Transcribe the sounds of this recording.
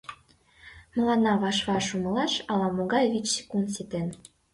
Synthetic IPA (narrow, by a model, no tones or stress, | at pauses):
mə̆lɑnɑβɑʃβɑʃumɤ̆lɑʃɑlɑmoɣɑjβit͡ɕse̥kunt̪set̪en